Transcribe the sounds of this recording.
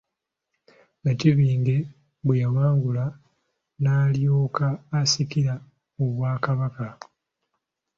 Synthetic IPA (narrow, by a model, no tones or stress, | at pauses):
naciβiːŋɡe̞ | βwejawaːŋɡula | naːljoːkaːsikiɾa | oβwaːkaβaka